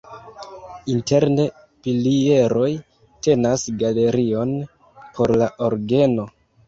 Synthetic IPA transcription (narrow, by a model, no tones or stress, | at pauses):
inte̞ɾne̞ | pilie̞ɾo̞j | te̞nasɡale̞ɾio̞n | pʰo̞ɾlaʔoɾɡe̞no̞